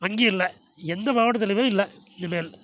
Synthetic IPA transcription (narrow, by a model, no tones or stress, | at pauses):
ɐŋɡiɪɾɪlːɐ | ɛnd̪ɐʋaːʋɐʈɐt̪ːɐlɪʋãːɪlːɛɪnd̪ɐmeːl